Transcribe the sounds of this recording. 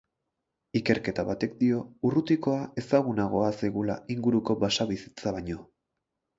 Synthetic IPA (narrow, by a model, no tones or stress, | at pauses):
ike̞ɾke̞t̪aβat̪e̞k̚d̪io̞urut̪iko̞ae̞saɣ̞unaɣ̞o̞asejɣula̰iŋɡuɾuko̞basaβisi̥t͡saβaɲo̞